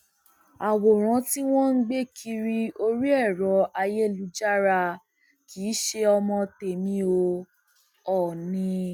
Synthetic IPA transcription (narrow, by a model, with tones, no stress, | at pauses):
a˨wo˨ɾ̃ã˨˧˦ti˦w̃ɔ̃˦n̩˦ɡ͡be˦kʰi˧ɾi˧o˧ɾi˦ɛ˦˨ɾɔ˨˦a˧je˦˨lu˨˦d͡ʒa˦ɾa˧ | ki˨˦ʃe˧ɔ˧mɔ̃˧te˨mĩ˧o˧ | ɔ˦˨nĩ˧